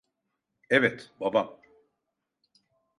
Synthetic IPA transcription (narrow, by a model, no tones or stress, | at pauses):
ɛvɛt̪babam